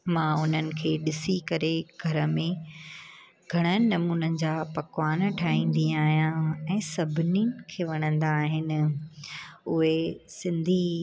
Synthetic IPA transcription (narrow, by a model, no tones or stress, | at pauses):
mãʊn̤ənɪ̆kʰeːɗɪsikɐɾeɡʱɐɾə̆mẽ | ɡʱɐɽ̃ənnɐmuːnənɪ̆d͡ʑaːpɐkwaːnʈʰaːĩːn̆d̪ĩaːɦijãɛ̃ːsɐbʱɪninɪ̆kʰeːʋɐɽ̃ə̃nd̪aːɦɪnɪ̆ | ʊɦesɪ̃nd̪ʱi